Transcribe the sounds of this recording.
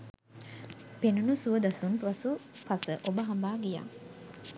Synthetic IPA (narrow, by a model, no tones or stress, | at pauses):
penunusuəd̪asunpʋɐsupasəʔobəɦambaːɡija̰ː